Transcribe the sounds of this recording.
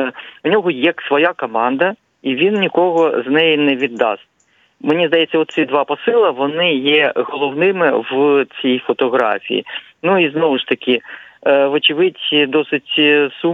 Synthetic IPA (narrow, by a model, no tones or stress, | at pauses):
unʲɔɦɔjɛksʋɔjakɔmɑnd̪ɐ | iʋʲinnʲikɔɦɔznɛjinɛʋʲid̪ːɑ̰st̚ʲ | mɪnʲizd̪ɐjet͡sʲːɐɔt̪sʲid̪ʋɑpɔsɪlˠɐʋɔnɪjɛɣɔlˠɔwnɪmɪʋt͡sʲijfɔt̪ɔɦɾɑ̰fʲḭjḭ | nuiznɔʋʊʃt̪ɐkʲɪ | ʋɔt͡ʃɪʋɪtʲd̪ɔsɪtʲsu